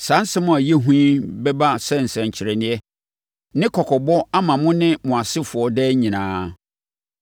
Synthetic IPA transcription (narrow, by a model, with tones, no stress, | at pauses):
sã˨˦sɛ˦mʊ̃˦a˨jɛ˦ɦũ˦bɛ˦ba˦sɛ˦˨n̩˨sɛ̃˨ɲ˨t͡ɕʰɪ˨ɾɛ˨nɪ̃˦ɛ˦ | nɪ̃˦kʰɔ˨kʰɔ˨bɔ˦a˦mã˨mʊ̃˦nɪ̃˦mʊ̃˨a˨sɪ˦fʊ˨ɔ˦dɛː˦ɲĩ˨nãː˨˦